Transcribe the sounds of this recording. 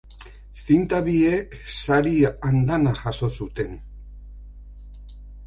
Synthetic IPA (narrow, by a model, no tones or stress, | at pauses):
fint̪aβieksaɾiand̪anaʝaso̞sut̪e̞n